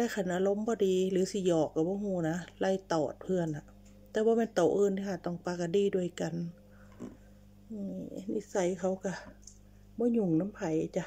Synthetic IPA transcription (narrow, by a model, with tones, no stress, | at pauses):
kaː˧˩kʰa˧˩˨nʔaː˧lo˧˥˨mbɔː˧˦diː˨˦lɯː˨˦si˧˦jɔː˨˩kːa˧˩bɔː˧˦ɦuː˧˩na˧˥la˧˩jt̪ɔː˨˩t̪̚pʰɯ˧˨ənha˧ʔ | t̪ɛː˧˦bɔː˧˦mɛ˧˨nt̪o˨˩ʔɤː˧˨nt̪ʰi˧ha˧˩t̪ɔ˧˩˨ŋpaː˧ka˧˩diː˧˩du˧˩ə˨jka˨n | ʔɯː˧ni˧˩sa˧˩jkʰa˧˩wka˧˩ | bɔː˧˦ɲu˧˩˨ŋna˧˥˨mpʰa˨˩˦ja˧t͡ɕa˧˨